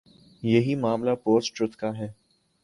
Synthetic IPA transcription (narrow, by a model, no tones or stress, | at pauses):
jɐɦimaːmlapoːsʈɾʊt̪kaɦɛː